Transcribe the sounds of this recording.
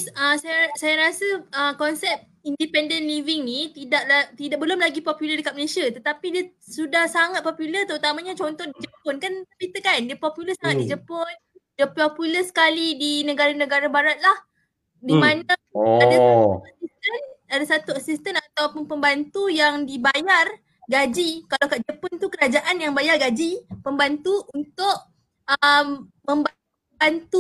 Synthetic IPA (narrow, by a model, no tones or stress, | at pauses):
səsajsajaɾasəəkɔnsɛp̚ | indipɛndənlivɪŋnit̪idaʔlat̪idaʔ̚bəlʊmlaɡipɔpjulədəkat̪̚məlesiat̪ət̪apidiəsudahsaŋat̪̚pɔpjulət̪əɾut̪amaɲat͡ʃont̪ɔhdid͡ʒəpʊnkanəpit̪əkandiəpɔpjuləsaŋat̪̚did͡ʒəpʊn | dəpɔpjuləsə̥kalidinə̃ɡaɾanə̃ɡaɾabaɾat̪̚lah | dimana | adaauasist̪ənadasat̪uasist̪ənat̪awpʊnpəmbant̪ujaŋdibajar | ɡad͡ʒikalawkaʔd͡ʒəpʊnt̪ukəɾad͡ʒaʔanjaŋbajarɡad͡ʒipəmbant̪uʔunt̪ʊʔ | əm | mə̃mba | bant̪u